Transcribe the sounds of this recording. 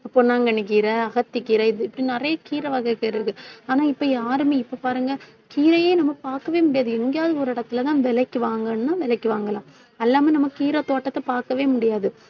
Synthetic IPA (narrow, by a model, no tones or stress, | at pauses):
ɐpːonaːŋɡɐɳɯk̬ːiːɾɐɐɣɐt̪ːɪkːiːɾɐɪðɯɪpːɐɽinɪɾɐjɐkiːɾɐʋɐɣɐkːɐɪɾɯkːɯaːnaːɪpːoːjaːɾɯmeɪpːoːpaːɾɯŋɡɐ | kiːɾɐjeːnɐmːɐpaːɾkɐʋeːmʊɽɪjaːðɯɪŋɡjaːðɐɔɾɯɪɽɐt̪ːɪlɐt̪ãːʋɛlɐkːɯʋaːŋɡɐnɯnãːʋɛlɐkːɯʋaːŋɡɐlãː | ɛlːaːmɛnɐmːɐkiːɾɐt̪oːʈːɐt̪ːɐpaːɾkɐʋeːmʊɽɪjaːðɯ